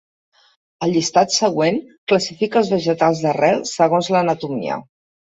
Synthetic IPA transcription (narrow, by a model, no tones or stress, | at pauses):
əlˠʎist̪at̪səɣwenkləsifikəːlˠzβəʒət̪alˠzðərɛlˠsəɣonzlənət̪umḭə̰